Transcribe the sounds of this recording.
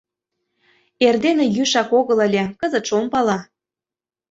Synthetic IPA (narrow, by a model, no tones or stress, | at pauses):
erd̪enĕjyʃɑkoɣələ̆lʲĕkəzə̆t̪ʃompɑlɑ